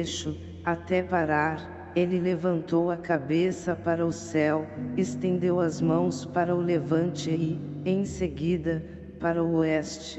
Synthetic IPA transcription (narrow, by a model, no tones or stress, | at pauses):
ʃʊ | at̪ɛpaɾaɾ | elɪlevɐ̃nt̪owɐkabesɐpaɾɐʊsɛwest̪ẽnd̪ewɐzmɐ̃w̃spaɾɐʊlevɐ̃nt͡ʃɪẽj̃seɡid̪ɐ | paɾɐʊoɛst͡ʃɪ̥